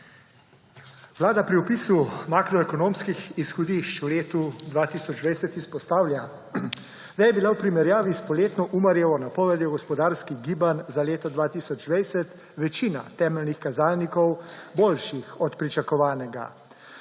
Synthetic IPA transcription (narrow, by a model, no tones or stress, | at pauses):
ʋlaːd̪apɾiɔpiːsumaːkɾɔɛkɔnoːmskixisxɔd̪iʃt͡ʃuleːt̪ud̪ʋaːt̪iːsɔd͡ʒd̪ʋɛjsɛt̪ispɔst̪aːwlʲja | d̪ajɛbilawpɾimɛɾjaːʋispɔleːt̪nɔʔumɐɾjɛʋɔnapɔʋɛd̪jɔɡɔspɔd̪aːɾskiɣɡiːbanzaleːt̪ɔd̪ʋaːt̪iːsɔd͡ʒd̪ʋɛjsɛt̪ | ʋɛt͡ʃiːna̰t̪ɛːmɛlnixkazaːlnikɔwboːlʃixɔt̪pɾit͡ʃakɔʋaːnɛɡa̰